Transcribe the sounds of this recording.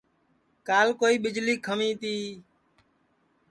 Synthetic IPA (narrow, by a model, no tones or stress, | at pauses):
kaːlkoːiːɓɪd͡ʒliːkʰəmĩːt̪iː